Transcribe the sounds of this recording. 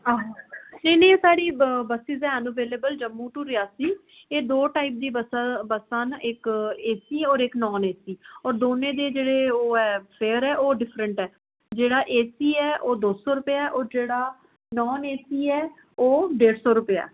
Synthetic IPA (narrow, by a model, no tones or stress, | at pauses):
aːɦanẽːnẽːsaːɽiːbəsiːzɛːənuʋeːleːbəld͡ʒəmːũːʈuːɾiaːsiː | eːd̪oːʈaːip̚d̪iːəsbəsaːnɪkeːsiːɔːɾɪknɔːneːsiːɔːɾd̪oːnẽːd̪eːd͡ʒeːɽeːoːɛːpʰeːəɾɛːʔoːɖɪpʰɾəɳʈɛː | d͡ʒeːɽaːʔeːsiːɛːʔoːd̪oːsɔːɾʊpeaːɛːʔɔːɾd͡ʒeːɽaː | nɔːneːsiːɛː | oːɖeːɽsɔːɾʊpeja̰ː